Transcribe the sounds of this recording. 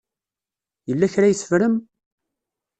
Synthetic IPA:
jəlːæçɾæjəsə̥vɾəm

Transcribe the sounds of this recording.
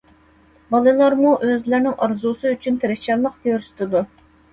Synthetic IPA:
bɑlˠɨlˠɑɾmuʔøzlæɾnɪŋʔɑɾzusɨyt͡ʃʰynt̪ʰeɾɪʃɛlˠəq̚t̪ʰeøɾst̪ɨd̪u

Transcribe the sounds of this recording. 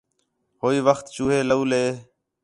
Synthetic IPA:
ɦoːiːʋəxt̪t͡ʃuːɦeːləuːleː

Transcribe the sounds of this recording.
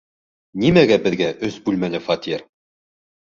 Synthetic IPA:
nimæɡæbɘ̆ðɡæʔɵsbʉlmælɘfɑt̪ʲiɾ

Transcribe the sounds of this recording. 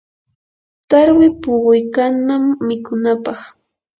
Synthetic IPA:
t̪aɾwɪpʊɢʊjkanːamːɪkʊnapɑχ

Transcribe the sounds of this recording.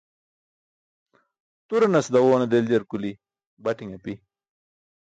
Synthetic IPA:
t̪uɾɐnɐsd̪ɐwoːnɐd̪eld͡ʑɐɾkuli | bɐʈiŋɐpi

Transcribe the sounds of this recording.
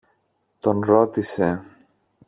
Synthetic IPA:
t̪o̞nɾo̞t̪ise

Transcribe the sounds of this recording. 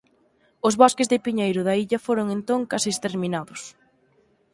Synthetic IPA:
ʊzβoskɪzðɪpiɲejɾʊðɐiʎɐfoɾʊŋent̪oŋkasiːst̪eɾminaðʊs

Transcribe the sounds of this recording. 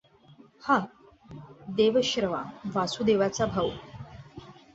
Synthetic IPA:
ha | d̪eʋəɕɾəʋa̰ʋasud̪eʋat͡sabʱaw

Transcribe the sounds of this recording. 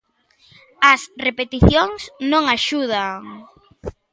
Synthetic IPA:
ɐsrepet̪iθjoŋsnõŋaʃuðaŋ

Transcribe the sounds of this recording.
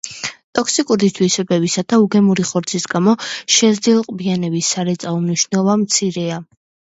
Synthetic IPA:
t̪ʼɔksikʼuɾist̪ʰwisɛbɛbisad̪̥auɡɛmuɾiχɔɾt̪sʰisɡamɔʃɛzd̪ilˠqʼbianɛbisːaɾɛt̪sʼaɔmniʃnɛlˠɔvamt̪sʰiɾɛa

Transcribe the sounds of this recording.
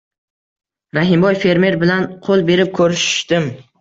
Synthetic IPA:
ɾaɦɪmbɒjfe̞ɾme̞ɾbɪlanqʰolˠbe̞ɾɪp̚kʰɵɾɪʃɪ̥ʃt̪ɪm

